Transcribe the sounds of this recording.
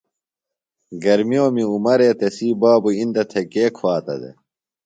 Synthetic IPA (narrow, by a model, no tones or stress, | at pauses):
ɡɐɾmioːmiumɐɾeːt̪esiːbaːbuind̪ɐt̪ʰekeːkʰwaːt̪ɐ̰d̪ḛ